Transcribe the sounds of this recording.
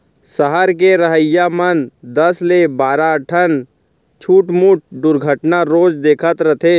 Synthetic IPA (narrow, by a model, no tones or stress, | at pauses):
səɦəɾk̬eɾəɦəjːamənd̪əslebaːɾaʈʰən | t͡ʃʰuːʈmuʈ̚ʰd̪ʊɾɡʱəʈnaɾoːd͡ʒd̪eːkʰət̪ɾət̪ʰe